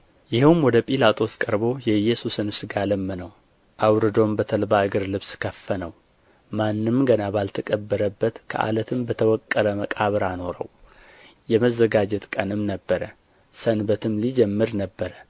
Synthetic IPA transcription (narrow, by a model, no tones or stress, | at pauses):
jɪhwmwɔd̪əpʼilat̪ʼʰo̞skʼəɾbo̞jɛjːɛsusɨnsɨɡaləmːənəw | ʔawɾɨd̪o̞mbət̪ʰəlbaʔɨɡɨɾlɨβskʰəfːənəw | manːɨmɡənabalt̪ʰəkʼəbːəɾəbːət̪kʰə̰ʔa̰lət̪ʰɨmbət̪ʰəwɔkʼːələməkʼaβɨɾano̞ɾə̰w | jɛməzːəɡad͡ʒɛt̪kʼənɨmnəbːəɾə | sənbət̪ʰɨmlid͡ʒɛmːɨɾnəbːəɾə